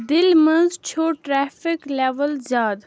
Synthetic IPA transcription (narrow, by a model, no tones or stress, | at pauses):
d̪ɪlmɐ̃nzt͡ʃʰoːʈɾɛːfɪkleːʋəlzjaːd̪